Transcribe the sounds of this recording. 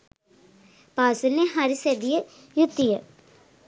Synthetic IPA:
paːsuneɦɐɾisɐd̪ijɐ | jut̪ːijɐ

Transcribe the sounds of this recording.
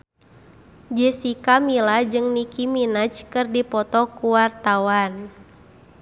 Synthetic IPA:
d͡ʒɛsikamilad͡ʒɨŋnikiminat͡ʃkɨrdipɔt̪ɔkuwart̪awan

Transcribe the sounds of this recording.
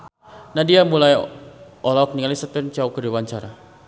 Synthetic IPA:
nadiamulajʔɔlɔk̚niŋalisət̪ɪmt͡ʃaukədiwaɲt͡ʃaɾa

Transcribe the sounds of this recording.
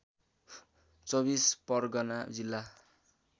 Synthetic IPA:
t͡sʌbispʌrɡʌnad͡zilːa

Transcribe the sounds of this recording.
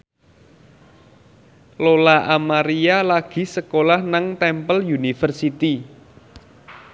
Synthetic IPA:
lolaʔamaɾialaɡ̥i̤səkolahnaŋt̪ɛmpəljunifərsit̪i

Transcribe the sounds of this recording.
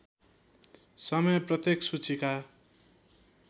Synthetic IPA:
sʌmʌjprʌt̪jeksut͡sʰika

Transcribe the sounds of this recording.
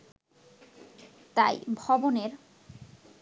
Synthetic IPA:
t̪a̰jbʱɔboneɾ

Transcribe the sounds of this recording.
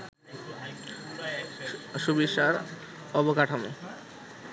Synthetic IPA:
ʃubiʃaɾ | ɔbokaʈʰamḛ

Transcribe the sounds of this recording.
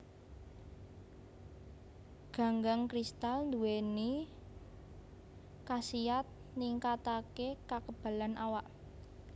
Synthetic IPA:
ɡ̥a̤ŋɡaŋkɾist̪alnd̪uweni | kasiat̪̚ | niŋkat̪akekakəb̥ä̤lanʔawaʔ

